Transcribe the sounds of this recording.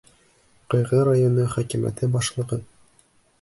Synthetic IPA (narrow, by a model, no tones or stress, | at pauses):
qɤ̆jʁɤɾajonɤχækimæ̰t̪ɘbɑʃlˠɤ̆ʁɤn